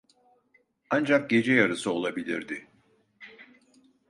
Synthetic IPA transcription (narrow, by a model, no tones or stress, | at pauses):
and͡ʒak̚ɟe̞d͡ʒɛjaɾɯsɯo̞lˠabilʲḭɾd̪ɪ